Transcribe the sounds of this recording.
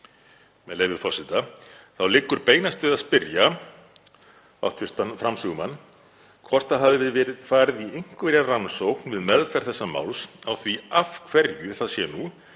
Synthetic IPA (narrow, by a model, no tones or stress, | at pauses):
mɛðleːjvɪɾfɔsɪt̪aθawlɪkːʏɾpeːjnast̪ɪvɪðaðspɪɾja | a̰wt̪ʰvʏr̥t̪anfɾamsʏːɣʏmanː | kʰvɔr̥t̪aɦavɪvɪðvɛːɾɪðfaːɾɪðiejŋ̥kvɛɾjaransowknvɪðmɛlfɛɾ̥θɛsːama̰ːwlsawθviafkʰv̥ɛɾjʏθaðsjɛnu